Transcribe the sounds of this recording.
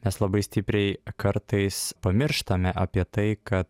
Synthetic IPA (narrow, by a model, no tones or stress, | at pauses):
mʲɛslˠɐbɐɪsʲt̪ʲɪpʲɾʲɛɪkɐɾt̪ɐɪspɐmʲɪɾʃt̪ɐmʲɛʔɐpʲiɛt̪ɐɪkɐt̪